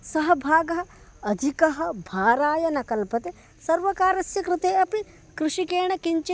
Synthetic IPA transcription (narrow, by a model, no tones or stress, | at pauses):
sɐɦɐbʱaːɡɐɦɐ̆ | ɐd̪ʱikɐɦɐ̆bʱaːɾaːjɐnɐkɐlpɐt̪e | sɐɾʋɐkaːɾɐsjɐkɾɪt̪eːɐpi | kɾuʃikeːɳ̃ɐkiɲt͡ʃe